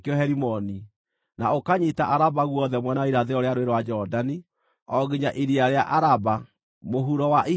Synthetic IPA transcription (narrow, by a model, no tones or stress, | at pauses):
keɔɦɛɾimɔni | naokaɲitaʔaɾabaɣwɔðɛmwɛnaiɾaðeɔɾeaɾoweɾwad͡ʒɔdani | ɔɣiɲaʔiɾiaɾeaʔaɾaba | moɦuɾɔwaʔi